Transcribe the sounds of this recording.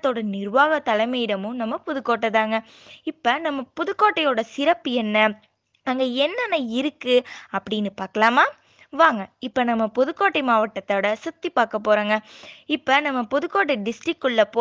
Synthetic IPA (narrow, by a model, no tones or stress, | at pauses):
t̪ːoːɽɐnɪɾʋaːɣɐt̪ɐlɐɪmɐjɪɽɐmɯ̃nɐmːɐpɔðɯkːoːʈːɐt̪aːŋɡɐ | ɪpːɐnɐmːɐpɔðɯkːoːʈːɐjoːɽɐsɪɾɐpːɯɛnːɐ | ɐŋɡɐɛnːɐnːɐɪɾɯkːɯɐpːɐɽɪnːɯpaːɾkɐlaːmaː | ʋaːŋɡɐɪpːɐnɐmːɐpɔðɯkːoːʈːɐɪmaːʋɐʈːɐt̪ːɐːɽɐsɐt̪ːipaːkɐpːoːɾaːŋɡɐɪpːɐnɐmːɐpɔðɯkːoːʈ̬ːɐɖɪsʈɾɪkːʊɭːɐpːoː